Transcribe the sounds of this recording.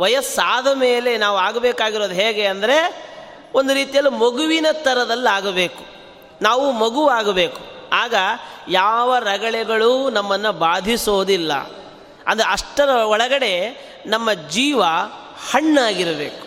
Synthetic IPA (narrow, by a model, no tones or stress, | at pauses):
ʋɐjɐsaːd̪ʱɐme̞ːle̞naːʋuaːɡɐbeːkaːɡiɾo̞ːd̪uɦeːɡe̞ɐnd̪ɐɾe̞ | ond̪uɾiːt̪ijɐlːumoɡuʋinɐt̪ɐɾɐd̪ɐlːaːɡɐbeːku̥ | naːʋumoɡuʋaːɡɐbeːku̥aːɡɐjaːʋɐɾɐɡɐɭɛɡɐɭunɐmːɐnːubaːd̪ʱisoːd̪ilːɐ̰ | ɐ̰nd̪ɐɾeɐʂʈɐɾɐɔɭɐɡɐɽe̞ | nɐmːɐd͡ʒiːʋɐ | hɐɳːaːɡiɾɐbḛːku̥